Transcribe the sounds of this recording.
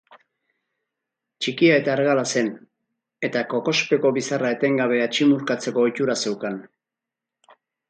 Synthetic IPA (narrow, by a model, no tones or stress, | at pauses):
t͡ʃikiae̞t̪aeɾɣalase̞n | e̞t̪ako̞ko̞spe̞ko̞βisarae̞t̪e̞ŋɡaβ̞e̞at͡ʃimuɾkat͡se̞ko̞ːjt̪uɾase̞wkan